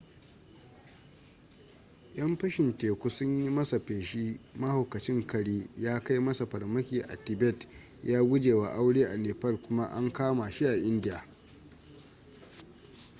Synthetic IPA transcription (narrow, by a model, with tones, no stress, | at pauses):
jɐ˦mɸɐ˦ʃɪ˨nteː˨kʷu˦sʊ˦ɲji˦mɐ˦sa˨ɸeː˨ʃi˦mɐ˦hʊ˨kɐ˨t͡ʃɪ˦ŋkɐ˨ɽiː˦jaː˦ka˦jmɐ˦sa˨ɸɐ˨rmɐ˦kʲiː˨ʔa̰˨tɪ˨bɛ˦˨t | jaː˦ɡʷʊ˦d͡ʒeː˨wa˦ʔa˦wɽeː˦ʔa˨neː˨pɐ˦lkʷʊ˦ma˦ʔa˦ŋkaː˦ma˨ʃi˦ʔa˨ʔɪ˦ndɪ˦ja˨